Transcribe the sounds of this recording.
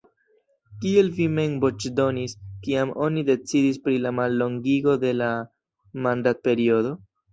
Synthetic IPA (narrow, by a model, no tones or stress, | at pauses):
kie̞lvimenbot͡ʃdo̞niskiamo̞nide̞t͡sidispɾilamalːo̞ŋɡiɡo̞de̞la | mandat̚pe̞ɾio̞do̞